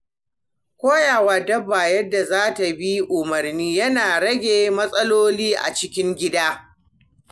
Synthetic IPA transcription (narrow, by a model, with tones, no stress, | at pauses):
kʷoː˦jaː˨waː˨dɐ˦baː˨jɐ˦dːa˨zaː˦ta˨bi˦ʔʊ˨mɐ˨rniː˦jɐ˦naː˨ɽɐ˦ɡʲeː˨mɐ˦sʼɐ˦loː˦liː˦ʔa̰˨t͡ʃɪ˦kʲɪ˦ŋɡʲɪ˦daː˦